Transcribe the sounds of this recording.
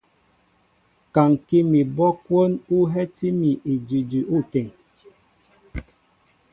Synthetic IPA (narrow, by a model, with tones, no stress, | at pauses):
ka˨ŋ˨ki˦mi˨bɔ˦kwo˦nu˦ɦɛ˦ti˦mi˨ʔi˨d͡ʒi˨d͡ʒi˨ʔu˦˨tɛ˨ŋ